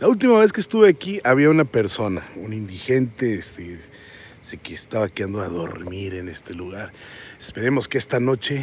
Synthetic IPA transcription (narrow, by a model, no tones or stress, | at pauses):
lault̪imaβe̞s̬kest̪uβe̞akiaβiaunape̞ɾso̞naunind̪ixe̞nt̪eest̪e | sekeːst̪aβakand̪oaðo̞̰ɾmiɾe̞ne̞st̪e̞luɣaɾespe̞ɾe̞mo̞skeest̪ano̞t͡ʃe̞